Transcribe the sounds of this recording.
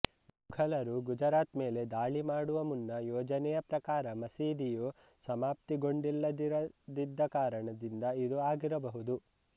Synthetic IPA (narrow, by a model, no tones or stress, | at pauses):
muɡʱɐlɐɾuɡud͡ʒɐɾaːt̪me̞ːle̞d̪aːɭimaːɽuʋɐmunːɐjɔːd͡ʒɐnɛjɐpɾɐkaːɾɐmɐsiːd̪iju | sɐmaːp̚t̪iɡo̞ɳɖilːɐd̪iɾɐd̪id̪ːɐkaːɾɐɳɐd̪ind̪ɐid̪uaːɡiɾɐbɐɦud̪u